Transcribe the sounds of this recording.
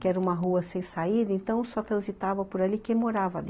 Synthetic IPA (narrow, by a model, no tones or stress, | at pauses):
kɛɾɐũmɐɦuɐsẽj̃said̪ɐẽnt̪ɐ̃w̃sɔt̪ɾɐ̃zit̪avɐpoɾalikẽmoɾavɐ̰lɪ